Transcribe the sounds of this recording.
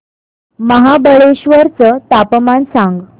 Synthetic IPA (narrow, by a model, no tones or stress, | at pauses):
məɦabəɭeɕʋəɾt͡sət̪apmansaŋɡ